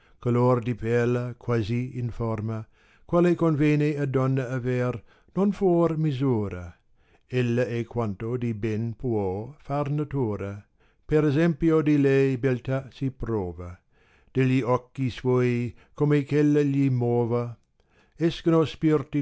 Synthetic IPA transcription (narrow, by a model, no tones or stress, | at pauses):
kalord̪ipɛlakʰwaziinfɔrmɐ | kwalekonvjeːnead̪ɔnːaːvɛr | nonfoːrmizuːɾɐ | elːɐekwant̪od̪ibɛnpwɔfarnat̪uːɾɐ | peɾezɛmpjod̪ilɛjbelt̪asipɾoːvɐ | d̪̥eʎːiɔkːiswɔːjkomekelːɐʎimoːvɐ | ɛskɐnospirt̪i